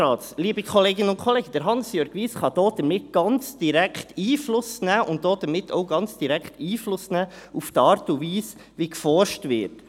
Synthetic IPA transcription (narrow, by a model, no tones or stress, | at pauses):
ɑːsliːbəkχoleːɡɪnəʊnkʰχoleːɡəd̥əɾɦɑnsjøːɾɡʋiːsχɑd̥oːd̥əɾmɪt̚ɡ̥ɑnt͡sd̥iɾækχtiːflʊsnæːʔʊnt̚d̥oːd̥əɾmɪtʰo̰ʊɡɑnt͡sd̥iɾɛkχtiːflʊsnæːuftɑːɾtuviːs | ʋikfɔɾʃtvɪ̰ːɾt